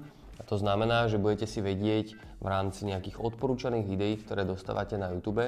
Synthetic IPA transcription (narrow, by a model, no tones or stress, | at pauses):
at̪ɔznamɛnaːʒɛbuɟɛcɛsiʋɛɟɪɛɟ | ʋɾaːmt͡siɲɛakiːɣɔt̪̚pɔɾuːt͡ʃaniːɣʋid̪ɛjiːkt̪ɔɾɛːd̪ɔst̪a̰ːʋacɛnajuːt̪uːbɛ